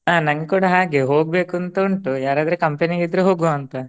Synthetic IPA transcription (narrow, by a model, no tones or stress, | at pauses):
aːnɐŋɡekuːɽɐɦaːɡe̞ɦo̞ːɡ̚be̞ːkuɐnt̪ɐuɳʈujaːɾaːd̪ɐɾekɐmpeniɡid̪ɾeɦoːɡoɐnt̪ɐ